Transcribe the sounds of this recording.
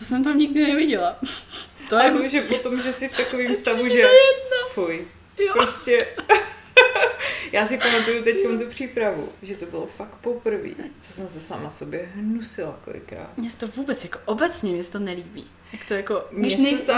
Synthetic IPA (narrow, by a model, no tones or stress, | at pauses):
t̪osɛmt̪amɲɪɡdɪnɛvɪɟɛla | t̪oaɛoʒɛpot̪o̞mʒɛsɪft̪akoviːmst̪avuʒɛɛdnafoj | jpɾoscɛ | jaːsɪpamat̪ujut̪ɛctkomt̪̬upr̝̥iːpɾavṵʒɛt̪obɪlofakpo̞pɾ̩vḭːt͡sosɛmsɛsamaso̞bjɛɦnusɪla̰ko̰lɪ̰kɾa̰ːt̪mɲɛsɛ̥t̪ovuːbɛt͡sjakoʔobɛt͡sɲɛmɲɛsɛ̥t̪onɛliːbḭː | jakt̪ojakomɪɲɛsnɛɛ